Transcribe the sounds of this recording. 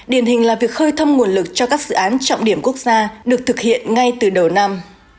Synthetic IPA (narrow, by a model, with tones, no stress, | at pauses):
ɗi˧˩ənhï˨˩ŋ̟laː˨˩vi˨˩ək̚xəː˧jt̪ʰə˧wŋ͡mŋu˨˩ənlɨ˨˩k̚t͡ɕɔ˧kaː˦˥k̚zɨ̰˧˨ʔaː˨˦nt͡ɕɔ̰˧˨wŋ͡mɗi˧˩əmku˦˥ək̚z̥aː˧ɗɨ˨˩ək̚t̪ʰɨ˨˩k̚hḭ˧˨ənŋa˧jt̪ɨ˨˩ɗə˨˩wna˧m